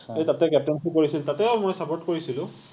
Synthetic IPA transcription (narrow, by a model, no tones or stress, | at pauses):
ejtatɛkɛp̚tɛntukoɹisiltatɛaʊmojsapoɹtkoɹisilʊ̃